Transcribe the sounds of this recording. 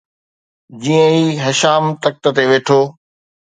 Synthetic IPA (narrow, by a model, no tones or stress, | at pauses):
d͡ʑiːə̃iːɦɐʃaːmt̪ɐk̚t̪ə̆t̪eʋeːʈʰoː